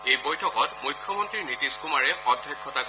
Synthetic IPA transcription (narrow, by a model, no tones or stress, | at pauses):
ejbɔjtʰɔkɔtmujkʰjɔmɔntɹinitiskumaɹɛɔdʱːjɔjkʰːɔta